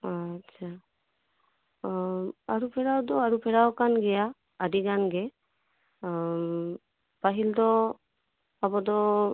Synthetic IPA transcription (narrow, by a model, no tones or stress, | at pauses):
att͡ʃʰa | aɹupʰɛɾawd̪ɔaɹupʰɛɾawkanɡɛjaː | diɡanɡɛ | paɦild̪ɔ | abɔd̪ɔ